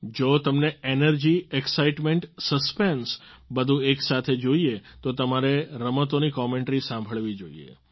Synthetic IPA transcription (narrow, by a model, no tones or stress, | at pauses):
d͡ʒot̪əmneenəɾd͡ʒieksaiʈmẽɳʈsəspensbəd̪ʱũeksat̪ʰed͡ʒoiet̪ot̪əmaɾeɾəmət̪onikɔmẽɳʈɾisãmbʱəɭʋid͡ʒoiḛ